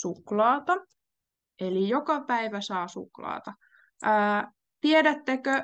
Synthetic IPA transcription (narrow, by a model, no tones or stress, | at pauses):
suklɑːt̪ɑ | elijokɑpæiʋæsɑːsṵklɑ̰ːt̪ɑː | t̪ieɾæt̪ːekø